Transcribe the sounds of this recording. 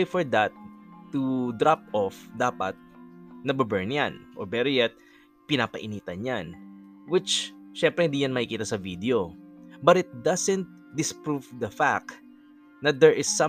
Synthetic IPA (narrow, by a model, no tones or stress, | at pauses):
jfɔɹd̪at̪ːud̪ɾap̚ʔɔfd̪aːpɐt̪̚nɐbɐbɛɹnja̰nʔɔ̰ɹbɛɾojɛt̪̚ | pɪnaːpɐʔɪniːt̪ɐnjanwɪt͡ʃʃɛmpɾɛhɪ̃nd̪iːjanmɐhɪkiːt̪ɐsɐvid̪ɛobɐt̪ɪt̪̚d̪asɛ̃nt̪̚ | d̪ɪspɹuvd̪ɐfa̰k̚ | nɐd̪ɛɹʔɪsːɐ̃